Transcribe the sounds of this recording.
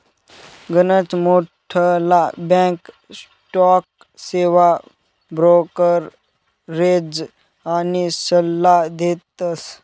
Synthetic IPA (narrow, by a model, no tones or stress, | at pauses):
ɡənət͡smoʈʰəlabɛ̃k | s | ʈɔk̚ | seʋa | bɾokəɾː | ed͡z | anisəlːad̪et̪əs